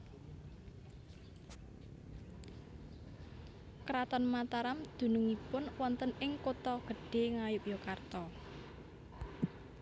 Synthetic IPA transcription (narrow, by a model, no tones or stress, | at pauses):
kɾat̪ɔnmat̪aɾamd̪̥ṳnuŋipʊnwɔnt̪ənɪŋkot̪ɔɡ̥ə̤ɖ̥e̤ŋajʊpjokart̪ɔ